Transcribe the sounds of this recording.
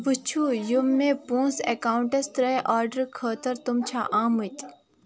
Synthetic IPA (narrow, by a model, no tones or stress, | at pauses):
but͡ʃʰujumːẽpõːnsekaːwɳʈest̪ɾɐjʔaːɾɖəɾkʰəːt̪ɐɾt̪umt͡ʃʰa̰ʔaːmut̪ʲ